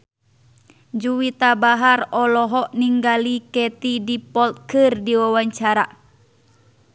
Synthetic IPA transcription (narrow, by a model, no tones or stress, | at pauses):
d͡ʒuwit̪abaɦarɔlɔɦɔʔniŋɡalikɛt̪idipɔlt̪̚kɨrdiwawaɲt͡ʃaɾa